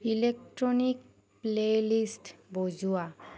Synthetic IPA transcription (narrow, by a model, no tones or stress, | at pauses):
ilek̚ʈɹonik̚ | plelisʈbozua